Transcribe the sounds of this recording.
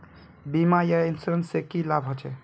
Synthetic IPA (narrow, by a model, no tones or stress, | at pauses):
bimajainsɾənsekilabɦot͡ʃʰɛ